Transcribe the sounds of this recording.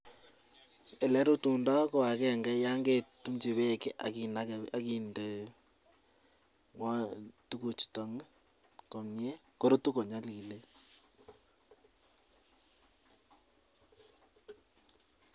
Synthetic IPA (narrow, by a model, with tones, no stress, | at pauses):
ɛ˨lɛ˦ɾu˦tu˨ndɔ˦ko˨a˨kɛ˦˨ŋɡɛ˦ja˦ŋɡe˦˨tu˦mt͡ʃi˨βe˦˨ke˦ʔa̰˨kina˦a˨ki˨nde˨ | ŋwɔ˦tu˦ku˨t͡ʃi̥˨tɔ˨ŋ˦ | kɔ˨mɲe˦ko˦ɾu˦tu˦ko˨ɲa˦li˨le˦